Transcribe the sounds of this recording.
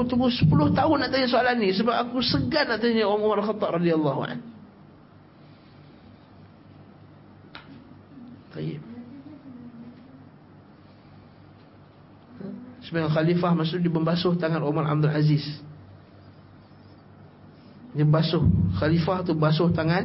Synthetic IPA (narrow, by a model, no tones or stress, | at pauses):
t̪uɡʊsə̥pulʊht̪aʊnːaʔt̪aɲasoalanĩsəbap̚akusəɡanaʔt̪aɲaoɾaŋumaɾalxɑt̪ˤːɑp̚rɑdialˤːɑɦṵa̰n | t̪ɑjɪ̰p̚ | səbajaxalifahmasʊʔdibəmbasʊht̪aŋanʔumara̰b̚d̪ulazis | dimbasʊhxalifaht̪uəmbasʊht̪aŋan